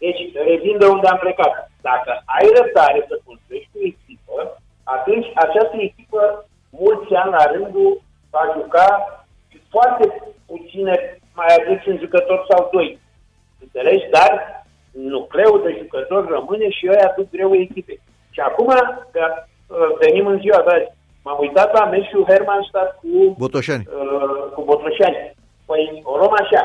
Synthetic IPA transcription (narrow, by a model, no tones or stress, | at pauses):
d̪e̞t͡ʃʲre̞vind̪eund̪eample̞kat̪d̪akəʔajrəb̚d̪aɾe̞səko̞nst̪ɾuje̞ʃʲkoekʲipə | at̪unt͡ʃʲat͡ʃast̪əe̞kʲipə | mult̪sʲanʲlaɾɨnd̪u | vaʒuka | ifoart̪e̞put̪sine | majad̪et͡ʃunʒukət̪o̞rsawd̪o̞j | t̪ɨt̪eleʒd̪aɾ | nuklewd̪əʒukət̪orʲːəmɨnʲeʃiəjad̪uɡɾeweekʲipe | ʃiakumaka | venimɨnziwad̪azi | mamujt̪at̪ameʃuɦeɾmanst̪at̪̚kuot̪ʃankubot̪oʃanʲ | pəjolomaʃa